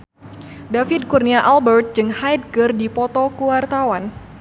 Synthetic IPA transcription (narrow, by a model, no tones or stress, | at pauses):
dafid̚kurniaʔalbɛrt̪̚d͡ʒɨŋhajd̚ɡərdipɔt̪ɔkuwart̪awan